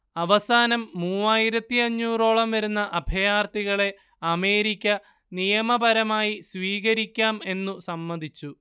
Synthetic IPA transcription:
ɐʋɐsaːnɐmːuːaːjiɾɐt̪ːiɐɲːuːro̞ːɭɐmʋɐɾunːɐʔɐbʱɐjaːrt̪iɣɐɭe̞ | ɐme̞ːɾikʲːɐ | nijɐmɐbɐɾɐmaːjisʋiːɣɐɾikʲːaːme̞nːusɐmːɐnd̪ʱit͡ɕːu

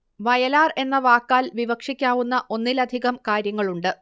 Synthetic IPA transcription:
ʋɐjɐlaːre̞nːɐʋaːkːaːlʋiʋɐkʂikʲːaːʋunːɐʔo̞nːilɐd̪ʱiɣɐmkaːɾjɐŋːɐɭuɳɖɨ

